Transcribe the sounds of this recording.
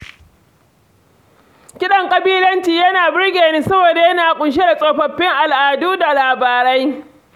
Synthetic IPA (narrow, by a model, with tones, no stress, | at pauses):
kʲɪ˦ɗɐ˨ŋkʼɐ˨biː˦lɐ˦nt͡ʃiː˨jɐ˦naː˨bɪ˦ɽɡʲeː˨niː˦sɐ˦boː˨da˨jɐ˦naː˨kʷʼʊ˨nʃ̬e˦da˨sʼoː˨ɸɐ˨ɸːɪ˦ŋʔa˨lʔaː˨duː˦da˨laː˨baː˨ɾɐ˦j